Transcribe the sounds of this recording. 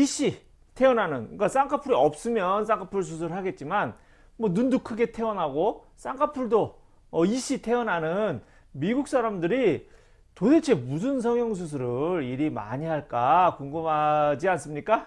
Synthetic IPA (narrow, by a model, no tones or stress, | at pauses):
iɕ͈i | tʰe̞ʌnɦanɯnk͈as͈aŋkʰapʰuɾiʌp̚s͈ɯmjʌns͈aŋkʰapʰuɭs̬ʰus̬ʰɯɾɯɭɦaɡe̞t̚t͡ɕ͈iman | mwʌnundukʰɯɡe̞tʰe̞ʌnɦaɡo | s͈aŋkʰapʰuɭdo | ʌiɕ͈itʰe̞ʌnɦanɯn | miɡuk̚s͈ʰaɾamdɯɾi | todet͡ɕʰe̞mus̬ʰɯns̬ʰʌŋjʌŋs̬ʰus̬ʰɯɾɯɾiɾima̰ɲiɦaɭk͈akoŋɡɯmɦad͡ʑians͈ɯmɲik͈a